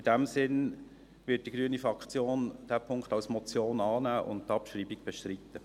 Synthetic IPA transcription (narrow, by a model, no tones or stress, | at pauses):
ɪd̥æmsɪn | vɪt̚d̥iɡɾyənifʁɑkχt͡sjoːnd̥æːpʰʊŋkχtɑlsmɔt͡sjoːnɑːnæːʔʊ̰nttɑpʃriːbiɡ̚b̥ɛʃtɾitːə